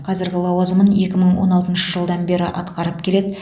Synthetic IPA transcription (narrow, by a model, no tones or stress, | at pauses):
qʰɑzɪɾɡʲɪlˠɑwɑzəməne̞kʲɪməɴwo̞̰nɑlˠt̪ənʃəʒəlˠd̪ɑnbe̞ɾɪʔɑ̰t̪qɑɾəpkʲʰe̞le̞d̪ɪ